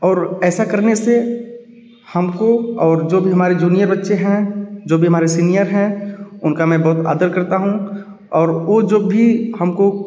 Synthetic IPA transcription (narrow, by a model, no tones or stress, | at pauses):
ɔːɾɛːsakɐɾnese | hɐmkoɔːɾd͡ʒoːbʱiɦɐmaːɾed͡ʒuːnijəɾbɐtːʃeɦɛ̃d͡ʒoːbʱiɦɐmaːɾesiːnijəɾɦɛ̃ʊnkamɛ̃ːbɔɦʊt̪a̰ːd̪əɾkɐɾt̪aɦũ | ɔːɾʋod͡ʒoːbʱihɐmko